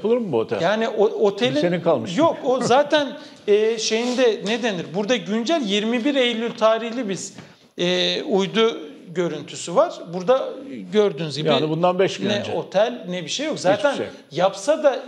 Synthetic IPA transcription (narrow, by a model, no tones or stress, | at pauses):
pɯlˠɯɾmbuot̪ʰɛ̰ljaːniʔoo̞t̪ʰelʲienikʰalˠmɯʃjokozaːt̪ʰæn | ɛːʃe̞jind̪ɛned̪eniɾbuɾd̪aɟynd͡ʒælʲjiɾmibiɾejlʲːylʲt̪ʰaːɾihlʲibiz̥ | ɛːujd̪u | ɟø̞ɾynt̪ʰysyvaɾ̥buɾd̪aɟø̞ɾd̪ynyzɟijaːnibund̪anbɛʃɡynɛo̞t̪ʰælʲnɛbiʃejokzaːt̪ʰæn | japsad̪a